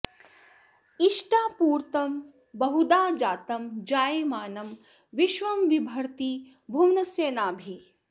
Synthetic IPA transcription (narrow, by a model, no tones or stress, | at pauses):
iʃʈaːpuːɾt̪ɐm | bɐɦud̪aːd͡ʒaːt̪ɐmd͡ʒaːjmaːnɐm | ʋiʃʋɐmʋibʱɐɾt̪i | bʱuwnɐseːnaːbʱi